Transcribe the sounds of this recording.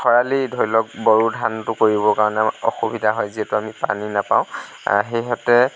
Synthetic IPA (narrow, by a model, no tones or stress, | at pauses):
xɔɹalidʱoɹilɔk̚bɔɹudʱantʊkoɹibɔkaɹɔnɛɔxubidʱaɦɔjziɦɛtʊamipa̰ninapã̰w̰̃ | ɦejɦɔtɛ